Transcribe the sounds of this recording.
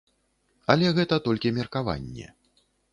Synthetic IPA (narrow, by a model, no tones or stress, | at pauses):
ɐlʲɛɣɛt̪ɐt̪ɔlʲkʲimʲɛrkava̰nʲːɛ̰